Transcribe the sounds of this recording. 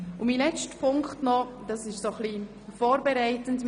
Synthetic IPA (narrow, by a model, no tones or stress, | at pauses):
ʊmilɛt͡stpʰʊŋktnɔd̥ɑsɪʃsoχli | foːɾbɛɾaɪtənt